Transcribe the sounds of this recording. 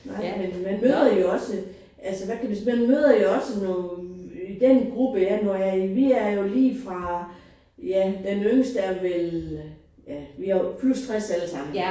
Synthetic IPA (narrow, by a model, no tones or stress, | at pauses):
nɑ̈ɪ̰menmænmøːðˠɐjo̝ɒ̽sə | ʔælsəʋækʰæʋismænmøːð̞ˠɐjo̝ɒ̽sənɔ | id̥enɡ̥ʁub̥əjænɒjæiʋiæɐjo̝liːfʁɑ̈ | jæd̥enøməsd̥æɐʋel | jæʋihɑpʰlust͡sʰʁɛsæləsɑ̈m̰n̩